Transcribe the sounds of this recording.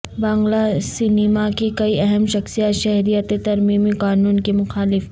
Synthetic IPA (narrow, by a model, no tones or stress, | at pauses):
bãːŋɡlasinimakikɐiʔɛɦɛmʃɐxsijat̪ʃɛɦɾijət̪et̪ɐɾmimiqaːnuːnkemʊxaːlɪf